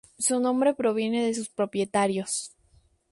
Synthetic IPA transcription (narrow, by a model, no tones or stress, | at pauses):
sunõ̞mbɾe̞pɾo̞β̞je̞ne̞ðe̞s̬uspɾo̞pje̞t̪aɾjo̞s